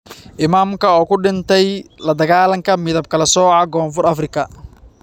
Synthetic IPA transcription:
ʔɪmaːmkʰɐɔːkʰʊɖɪnt̪ʰɛjlɐd̪ɐɣaːlɐŋkʰɐmɪðɐb̚kʰɐlɐsɔːʕɑɡɔːnfʊrɐfrɪkʰɐ

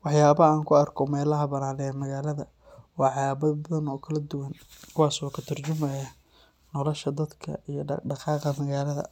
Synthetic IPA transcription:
wɑħjaːβɐaːŋkʰʊɐrkʰɔmɛːlɐɦɐbɐnaːnɛmɐɣaːlɐðɐ | wɑːʕɑbɐbɐðɐnɔːkʰɐlɐd̪ʊwɐnkʰʊwɑːsɔːkʰɐt̪ʰɐrt͡ʃʊmɐjaː | nɔlɔʃɐd̪ɐd̪kʰɐ̰ijɞɖɑqɑːqɐmɐɣaːlɐðɐ̰

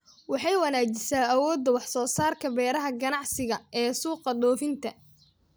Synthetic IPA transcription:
wɑħɑjwɐnaːt͡ʃɪsaːɐwɔːd̪ːɐwɑħsɔːsaːrkʰɐbɛːɾɐɦɐɡɐnɑʕsɪɣɐɛːsuːqɑɗɔːfɪnt̪ʰɐ

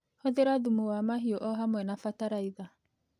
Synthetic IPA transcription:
hoðeɾaðumuwamaɦiɔʔɔɦamwɛnafataɾaiða

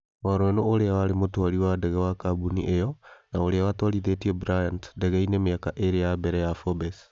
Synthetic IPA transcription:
waɾwɛnooɾeawaɾemotwaɾiwadɛɣɛwakabuniʔejɔnaoɾeawatwaɾiðetiɛbɾajantdɛɣɛinemeakaʔeɾejabɛɾɛjafɔbɛs

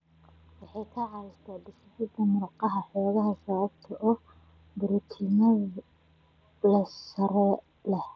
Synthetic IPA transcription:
wɑħɑjkʰɐʕɑɪst̪ʰaːdɪʃɪt̪iːt̪ʰɐmʊɾqɑɦɐħɔːɣɐɦɐsɐβɐbt̪ʰɐʔɔː | bʊɾʊt̪ʰinɐð | lɐsɐɾɛ | lɛh

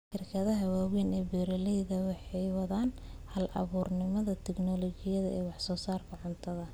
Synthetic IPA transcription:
ʃɪrkʰɐðɐɦɐwaːwɛnɛːbɛːɾɐlɛjðɐwɑħɑjwɑðaːnhɐlʔɐ̰βuːrnɪmɐðɐt̪ʰɛɡnɔlɔt͡ʃɪjɐðɐʔɛːwɑħsɔːsaːrɡʰɐʕʊnt̪ʰɐðɐ

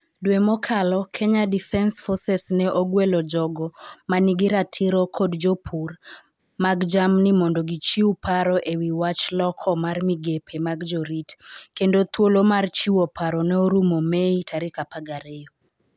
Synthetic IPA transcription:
dwemɔkʰalɔkʰeɲadifɛnsfɔsɛsnɛʔoɡwelɔd͡ʒɔɡɔmanɪɡɪɾatʰiɾɔkʰodd͡ʒopʰur | maɡd͡ʒamnɪmɔndɔɡit͡ʃiupʰaɾɔʔewiwat͡ʃlɔkʰɔmarmiɡepʰemaɡd͡ʒɔɾitkendot̪wolomart͡ʃiwopʰaɾɔnɛoɾumomeitʰaɾɪkapaɡaɾejɔ

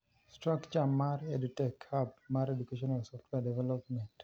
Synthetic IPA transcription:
stɾakt͡ʃamaɾedutɛkʰab̚maɾɛdukeʃɔnalsɔftwɛdɛvɛlɔpmɛ̃nt

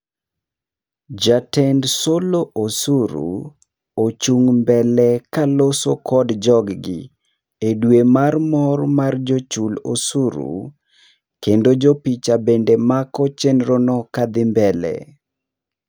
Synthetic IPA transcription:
d͡ʒatɛndsoloʔosuɾṵ | ot͡ʃuŋmbɛlɛkalosokʰɔdd͡ʒɔɡɡɪ̰ | edwemarmɔrmard͡ʒot͡ʃulosuɾṵ | kendod͡ʒopit͡ʃabendemakɔt͡ʃɛnɾonɔkad̪ɪmbɛlɛ̰

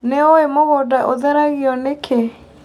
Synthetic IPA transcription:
neoemoɣodaʔoðɛɾaɣiɔnekʰe

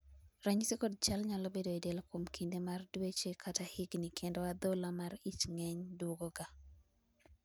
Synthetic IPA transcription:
raɲsekɔd̚t͡ʃalɲalobedoidɛlkwomkʰindemardwet͡ʃekʰatahɪɡnikʰendoad̪olamarit͡ʃŋɛɲdoɡoɡa

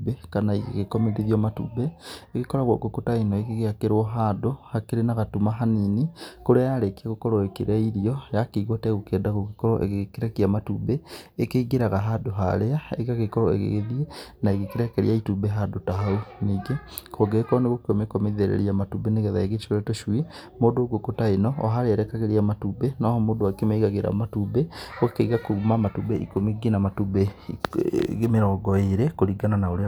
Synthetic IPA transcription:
bekanaḭɣḛɣekɔmeɾiðiɔmatṵbeekekɔɾaɣwɔkokotainɔekeɣeakeɾwɔɦaːdohakeɾenaɣatumaɦaninikoɾeajaɾekiaɣokɔɾɔekeɾaiɾiɔjakeiɣwatɛɣokeːndaɣoɣekɔɾɔ̰ʔḛɣeɣkeɾɛkiamatubeːkeiɡeɾaɣaɦadoɦa̰ɾeaḛɣaɣekɔɾɔḛɣḛɣeðienaeɣekeɾɛkɛɾḭaitubeɦadotaɦauniːɡekʰoɡekɔneɣokeomekɔmeðeɾḛɾiamatubeneɣɛðaeɣet͡ʃoɾɛtoʃwi | moːdoːɡokotaenɔɔɦaɾeɛɾɛkaɣeɾiamatubenɔhɔmoːdowakemeiɣaɣeɾa̰matubeokeiɣakomamatubeʔḭkomiɡinamatube | ɣemeɾɔɡɔeɾekoɾiɡananaoɾe

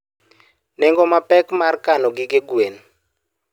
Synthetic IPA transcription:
nɛŋɡɔmapʼɛkmarkanɔɡikeɡwen

